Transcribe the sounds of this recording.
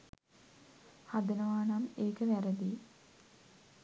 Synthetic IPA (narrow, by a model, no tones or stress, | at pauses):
had̪ənəʋaːnameːkəʋæɾəd̪iː